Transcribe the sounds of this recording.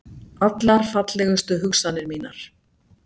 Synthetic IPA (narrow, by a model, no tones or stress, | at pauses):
at̪laɾ̥fat̪lɛɣʏst̪ʏɦʏksanːɪɾmiːnaɾ̥